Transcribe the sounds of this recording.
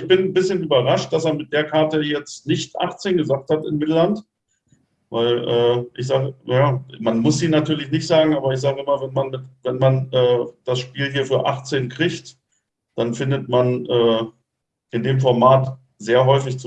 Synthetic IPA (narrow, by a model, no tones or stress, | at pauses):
ɪçb̥ɪnn̩bɪsçənyːbɐʁaʃt̚d̥aseːɐmɪt̚d̥eːɐkʰaɐtəjɛt͡stnɪçtʔa̰χt͡seːnɡəzaːkthatɪnmɪtl̩lant | vaɪlʔɛːʔɪçz̥aːɡəjaːmanmʊsz̥iːnatʰyːɐlɪçnɪçtz̥aːɡŋ̩aːbɐɪç̬z̥aːɡəʔɪmɐvɛnmanmɪtvɛnmanʔɛːd̥asʃpiːlɦiːɐfyːɐʔa̰χt͡seːnkʁ̥ɪçt | d̥anfɪndətmanʔɛː | ʔɪndeːmfɔɐmaːt | z̥eːɐɦɔʏfɪçt͡s